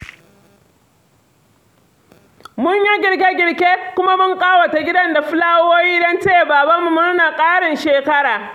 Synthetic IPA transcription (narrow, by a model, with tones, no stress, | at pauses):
mʊ˦ɲja˦ɡʲɪ˨ɽk̬ʲe˦ɡʲɪ˨ɽkʲe˦kʷʊ˦ma˦mʊ˦ŋkʼaː˦wa˨ta˨ɡʲɪ˦dɐ˦nda˨ɸɪ˦laː˦woː˦jiː˦dɐ˦nt͡ʃeː˦˨baː˨ba˦mːu˨mʊ˦ɾna˨kʼaː˦ɽɪ˨nʃeː˨kɐ˦ɽaː˨